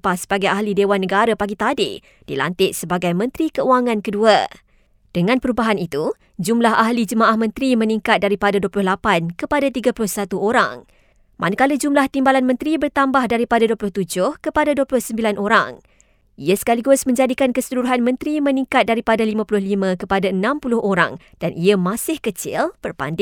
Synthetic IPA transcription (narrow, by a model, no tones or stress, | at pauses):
pahsəbaɡajahlidewanːəɡaɾapaɡit̪ade | d̥ḭla̰nt̪ɪʔsəbaɡajmə̃nt̪ɾikəuaŋãnkədua | d̥əŋãnpəɾubaɦanit̪u | d͡ʒumlaɦaɦlid͡ʒəmãʔahmə̃nt̪ɾimə̃niŋkat̪̚daɾipadaduəpulʊhlapankəpadat̪iɡapulʊhsat̪uʔoɾa̰ŋ | mʔa̰nakaləd͡ʒumlaht̪imbalanmə̃nt̪ɾibərt̪ambahdaɾipadaduəpulʊht̪ud͡ʒʊhkəpadaduəpulʊhsəmbilanʔoɾa̰ŋ | iasə̥kaliɡʊsmə̃ɲd͡ʒadikankəsəluɾuɦanmə̃nt̪ɾimə̃nĩŋkat̪̚daɾipadalimãpulʊhlimə̃kəpadaənãmpulʊhʔoɾa̰ŋ | d̥anʔiamasɪhkət͡ʃɪ̰lb̥ərpa̰ndɪ